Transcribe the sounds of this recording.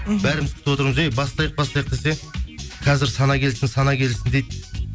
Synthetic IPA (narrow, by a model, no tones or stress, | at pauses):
bæɾɪmɪzt̪ʰt̪ɪwo̞t̪əɾɴəzejbɑsˠɑjəq̚bɑst̪ˠɑjəq̚d̪es̬e̞qʰɑzɪɾsɑnɑkʲʰe̞lɪt̪ɪnsɑnɑkʲʰe̞lɪsɪnd̪ejd̪